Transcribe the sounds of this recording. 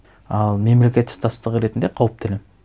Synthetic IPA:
ɑlˠme̞mle̞kʲe̞t̪st̪ʰɑt̪st̪əʁəɾe̞t̪ɪnd̪e̞qʰɑwəp̚t̪ʰɪlɪ

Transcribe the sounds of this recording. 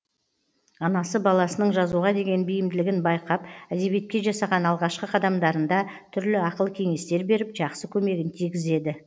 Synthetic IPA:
ɑnɑsəbɑlˠɑsənəɴʒɑzuʁɑd̪e̞ɡʲe̞nbijɪmd̪ɪlɪɡʲɪnbɑjqɑpæd̪e̞bje̞t̪̚kʲe̞ʒɑsɑʁɑnɑlˠʁɑʃqəqʰɑd̪ɑmd̪ɑɾənd̪ɑt̪ʰʏɾlɪɑqəlˠəkʲʰe̞ŋe̞st̪e̞ɾbe̞ɾɪpʒɑqsəkʲʰɵme̞ɡʲɪnt̪ʰijɡʲɪze̞d̪ɪ

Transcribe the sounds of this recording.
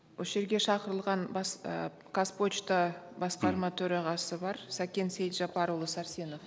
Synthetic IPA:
wɵʃe̞ɾɡʲe̞ʃɑqəɾəlˠʁɑnbɑs | kʰaspo̞t͡ʃt̪ɑbɑsqɑɾmɑt̪ʰɵɾɑʁɑsəbɑɾsækʲe̞nsejlʒɑpɑɾolˠəsɑɾse̞no̞f

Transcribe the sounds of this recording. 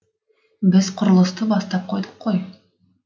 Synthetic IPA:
bɘzqŏɾə̆lˠɤ̆st̪ɤbɑst̪ɑp̚qʰojd̪ɤqqʰːoj

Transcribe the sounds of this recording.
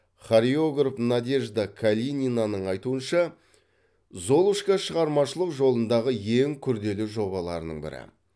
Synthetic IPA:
χaɾio̞ɡrofnad̪e̞ʒd̪akʰalʲinʲinanəɴɑjt̪uənʃɑ | zo̞lˠuʃkɑʃəʁɑɾmɑʃəlˠəqʒo̞lˠənd̪ɑʁəjeŋkʲʰʏɾd̪e̞lɪʒo̞bɑlˠɑ̰ɾənə̰ɴbɪ̰ɾɪ̰

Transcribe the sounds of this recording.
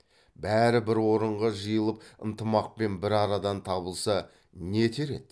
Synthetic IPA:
bæɾɪbɪɾwo̞ɾəɴʁɑʒəjəlˠəp̚ə̰nt̪əmɑq̚pe̞nbɪɾɑɾɑd̪ɑnt̪ʰɑbəlˠsɑ | ne̞t̪ʰeɾe̞̰t̪

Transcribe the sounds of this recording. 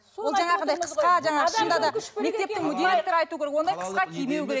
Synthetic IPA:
o̞lˠʒɑɴɑənd̪ɑjʰəsqɑʒɑɴɑqəʃənd̪ɑd̪ɑme̞kt̪e̞p̚t̪ɪŋmʊd̪elʲek̚t̪oɾɑjt̪uwkʲʰeekwo̞nd̪ɑjqʰə̥sqɑkʲʰejme̞wkʲeɾe

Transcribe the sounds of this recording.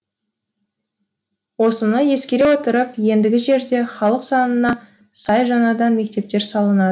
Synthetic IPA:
wo̞sənəje̞skʲe̞ɾe̞wot̪əɾəpje̞nd̪ɪɡʲɪʒe̞ɾd̪e̞χɑlˠəqsɑnənɑ | sɑjʒɑnɑd̪ɑnme̞k̚t̪e̞p̚t̪e̞ɾsɑlˠənɑd̪ə

